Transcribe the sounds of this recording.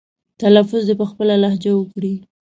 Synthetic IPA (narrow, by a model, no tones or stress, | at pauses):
t̪alafʊzd̪epəxpəlalahd͡ʒawəkɽi